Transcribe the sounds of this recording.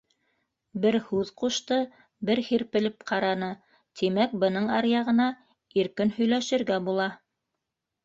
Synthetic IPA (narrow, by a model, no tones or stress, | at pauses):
bɘɾhʉðquʃt̪ɤ | bɘɾhiɾpɘ̆lɘp̚qʰɑɾɑnɤ | t̪ʰimæk̚bɤ̆nɤɴɑɾjɑʁɤ̆nɑ | iɾkɘnhɵ̆jlæʃɘ̆ɾɡæbulˠɑ